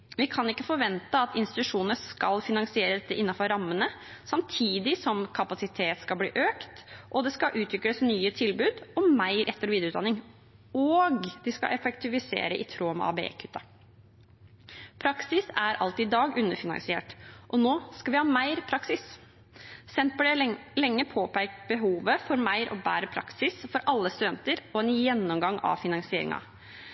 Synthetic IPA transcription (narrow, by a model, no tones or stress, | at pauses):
ʋɪkʰɑnɪkːəfɔɾʋɛnt̪əɑt̪ɪnst̪ɪt̪ʉʂuːnəskɑlfɪnɑŋsɪeːɾəd̪ɛt̪ːəʔɪnːɑfɔɾɾɑmːənə | sɑmt̪ʰiːd̪ɪsɔmkʰɑpɑsɪt̪ʰeːt̪skɑblḭːʔøːkt̪ʔɔd̪ɛskɑʔʉːt̪ʰɾʏkləsnyːət̪ʰɪlbʉːd̪ɔmæɪɾʔɛt̪ːəɾʋiːd̪ɾʉt̪d̪ɑnɪŋ | ɔːɡd̪ɪskɑ̰ʔɛfɛkt̪ɪʋɪsḛːɾəʔɪ̰t̪ʰɾoːm̰ɑ̰ːbeḛːkʰʉ̥t̪ːɑ | pʰɾɑksɪsæɾʔɑ̰lt̪ɪːɪd̪ɑːɡʉnːəɾfɪnɑ̰ŋsɪḛːʈʔɔnoːskɑʋɪhɑːmæɪɾpʰɾɑksɪs | sɛnt̪̚pɔd̪ɛlɛŋːəpʰoːpæɪkbəɦuːʋəfɔɾmæɪɾʔɔ̰bæ̰ːɾəpʰɾɑ̰ksɪsfɔɾʔɑlːəst̪ʉd̪ɛnt̪əɾɔɛnjɛnːɔmɡɑŋːɑ̰ʋfɪnɑŋsɪeːɾɪ̰ŋɑ̰